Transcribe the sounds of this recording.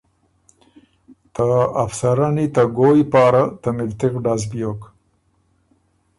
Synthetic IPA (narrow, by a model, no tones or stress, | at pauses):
t̪aːfsaɾanit̪aɡojpɑːɾat̪amɪlt̪ɪkɖaz̬bijok